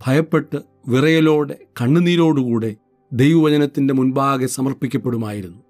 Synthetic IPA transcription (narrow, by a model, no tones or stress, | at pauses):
b̥ʱɐjɐpːe̞ʈːɨ | ʋirɐjɐlo̞ːɽe̞kɐɳːɨniːɾo̞ːɽukuːɽe̞ | d̪e̞jʋɐʋɐt͡ɕɐnɐt̪ːinde̞munbaːɡesɐmɐrpikʲːɐpːe̞ɽumaːjiɾunːu